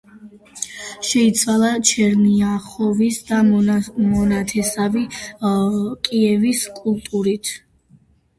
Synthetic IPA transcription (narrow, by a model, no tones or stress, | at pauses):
ʃɛit̪sʰwalˠat͡ʃʰɛɾmiaχɔvisd̪amɔnat̪ʰɛsavi | kʼiɛviskʼulˠt̪ʼuɾit̪ʰ